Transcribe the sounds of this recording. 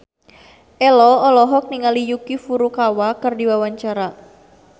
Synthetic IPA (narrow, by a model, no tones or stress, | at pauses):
ʔɛlɔɔlɔɦɔk̚niŋalijukifuɾukawakɨrdiwawaɲt͡ʃaɾa